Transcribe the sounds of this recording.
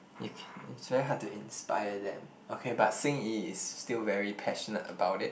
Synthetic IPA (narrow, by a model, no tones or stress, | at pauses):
jukʰɛ̃ɪtsvɛɹiɦad̚tuĩnspa̰ɪədɛ̰̃m | okʰebatsĩɪ̃ŋiɪstilvɛɹipʰɛʃənə̰təbaʊtɪt̚